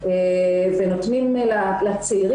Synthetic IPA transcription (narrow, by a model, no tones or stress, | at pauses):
evenot̪nimlalat͡seiʁ